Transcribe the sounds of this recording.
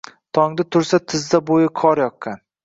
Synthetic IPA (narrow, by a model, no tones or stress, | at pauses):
t̪ʰɒŋd̪at̪ʰʊɾsat̪ʰɪzd̪abojɪkʰɒɾjɒk̚kan